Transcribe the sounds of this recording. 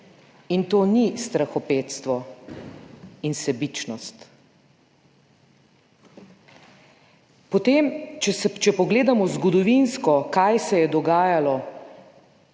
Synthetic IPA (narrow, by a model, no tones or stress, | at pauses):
int̪oːnist̪ɾaxɔpeːt̪st̪ʋɔ | insɛbit͡ʃnɔst̪ | pɔt̪eːmt͡ʃɛst͡ʃɛpɔɡleːd̪amɔzɡɔd̪ɔʋinskɔkajsɛjɛd̪ɔɡaːjalɔ